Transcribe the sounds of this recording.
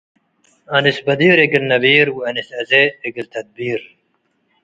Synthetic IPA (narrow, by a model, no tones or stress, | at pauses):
ɐnisbɐd̪iːɾeɡilnɐbiːɾwiɐnisɐzeːɡilt̪ʰɐd̪̚biːɾ